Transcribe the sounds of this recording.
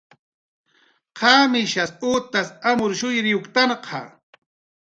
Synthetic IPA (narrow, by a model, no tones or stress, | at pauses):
qʰɑːmɪʃasuːt̪asamʊɾʃʊjɾɪokt̪aɴqʰɑ̰